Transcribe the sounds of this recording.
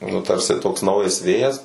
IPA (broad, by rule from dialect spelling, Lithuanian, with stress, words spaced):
nʊ ˈtɐrʲsʲɪ toːks ˈnɐʊjɛs ˈʋʲeːjɛs